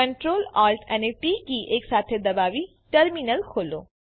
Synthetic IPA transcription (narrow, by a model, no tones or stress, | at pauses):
kə̃ɳʈɾoːlaːɾʈʰɛneʈikiʔeːksaːt̪ʰed̪ɐbaːʋi | ʈəɾminəlkʰoːlo̰ː